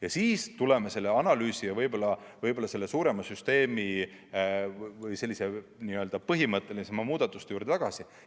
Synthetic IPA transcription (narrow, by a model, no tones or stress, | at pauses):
jɑsiːst̪ule̞mese̞lːeɑnɑlyːsijɑvɤjbo̞lːɑvɤjbo̞lːɑse̞lːe̞suːɾe̞mɑsyst̪e̞ːmi | vɯjse̞lːise̞niːø̞ld̪̥ɑpɤɦimɤt̪ˑːe̞lnisɑmɑmuːd̪̥ɑt̪ːˑu̥st̪juːɾd̪et̪ɑɡ̥ɑsi